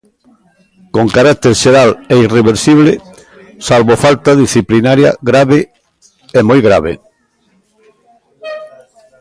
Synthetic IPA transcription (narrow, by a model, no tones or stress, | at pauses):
koŋkaɾak̚t̪eɾʃeɾaleireβeɾsiβ̞le | salβofalt̪aðisθiplinaɾja̰ɣɾaβe | emojɣɾaβḛ